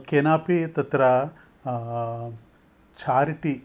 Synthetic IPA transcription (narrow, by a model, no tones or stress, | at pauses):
keːnaːpit̪ɐt̪ɾɐ | t͡ʃʰaːɾiʈi